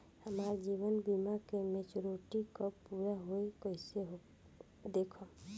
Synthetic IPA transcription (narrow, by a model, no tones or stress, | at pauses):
həmaːɾd͡ʒiːʋənbimakemet͡ʃɾoʈikəppuːɾaɦoikəɪseɦo | d̪eːkʰə